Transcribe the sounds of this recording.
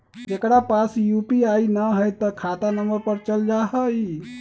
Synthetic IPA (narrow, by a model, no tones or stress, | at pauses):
d͡ʒekɽapasjupiainəɦəjt̪ɔkʰat̪anəməɾpəɾt͡ʃəld͡ʒaɦəj